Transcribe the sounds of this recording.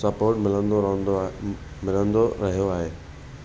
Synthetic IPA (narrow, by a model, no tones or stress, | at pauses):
sɐpoːɾʈmɪlə̃nd̪õd̪ | mɪlə̃nd̪oɾɐɦijoaːɦeː